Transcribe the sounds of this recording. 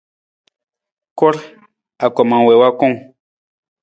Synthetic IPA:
ko˦ɾ | a˨kɔ˨mã˨we˨wa˦kõ˦ŋ

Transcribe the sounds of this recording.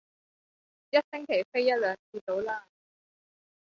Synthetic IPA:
jɐ˥t̚sɪ˥ŋkʰe˨˩jfe˥jɐ˥t̚lœː˨˥nt͡si˧t̪o˨˥wlaː˥˩

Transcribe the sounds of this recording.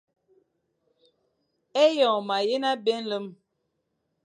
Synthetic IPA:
e˦jɔ˨ma˨je˦na˦be˦n̩˦lə˦m

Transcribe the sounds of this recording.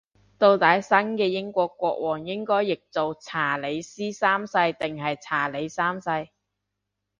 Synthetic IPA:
t̪o˧wt̪aː˨˥jsɐ˥nkɛː˧jɪ˥ŋkʷɔː˧kːʷɔː˧k̚wʔɔː˨˩ŋjɪ˥ŋkɔː˥jːɪ˨k̚t͡so˨wt͡sʰaː˨˩le˨˧jsiː˥saː˥msɐ˧jt̪ɪ˨ŋɦɐ˨jt͡sʰaː˨˩le˨˧jsaː˥msɐ˧j

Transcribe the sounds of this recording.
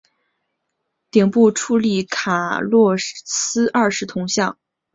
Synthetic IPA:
t̪i˨˩ŋpu˥˧ʈ͡ʂʰu˥˧li˥˩kʰa˨˩lwɔ˥˧sɹ̩˥ɐ˞˥˧ʂɻ̩˥˩t̪ʰʊ˧˥ŋɕjɑ˥˩ŋ

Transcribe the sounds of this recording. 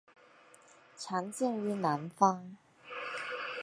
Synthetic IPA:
ʈ͡ʂʰa˧˥ŋt͡ɕi˥˩ŋy˧˥na˧˥nfɑ˥ŋ

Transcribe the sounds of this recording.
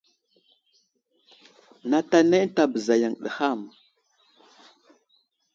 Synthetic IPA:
na˨ta˨ne˦ta˨bə˨za˨ja˨ŋɗə̰˨ha˦˨m

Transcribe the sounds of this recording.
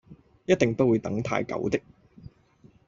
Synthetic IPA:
jɐ˥t̚t̪ɪ˨ŋpɐ˥t̚wuː˨˧jt̪ɐ˨˥ŋt̪ʰa̰ː˧jkɐ̰˨˥wt̪ɪ˥k̚

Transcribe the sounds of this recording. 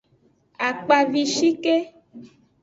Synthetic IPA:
a˨k͡pa˨vi˨ʃi˦ke˦

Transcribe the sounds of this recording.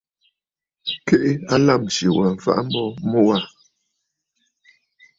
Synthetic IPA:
ke˦ʔe˦a˦la˦˨mʃje˨wa˨fa̰˦ʔm̩˦bɔ˦mɔ˦wa˦˨

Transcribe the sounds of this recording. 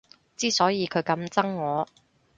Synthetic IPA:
t͡siː˥sɔː˨˥jiː˨˧kʰɵ˨˧ɥkɐ˨˥mt͡sɐ˥ŋːɔː˨˧

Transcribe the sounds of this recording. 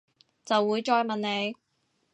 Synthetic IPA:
t͡sɐ˨wːuː˨˧jt͡ʃɔː˧jmɐ˨˩nne˨˧j

